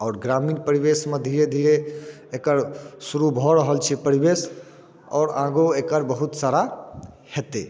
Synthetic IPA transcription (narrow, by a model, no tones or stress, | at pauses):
ɔːɾɡɾaminpəɾibesmẽd̪ʱiɾed̪ʱiɾeː | kəɾsuɾubʱɔɾəɦəlt͡ʃʰɛpəɾibes | ɔ̰ːɾãɡoekəɾbəɦut̪saɾa | het̪e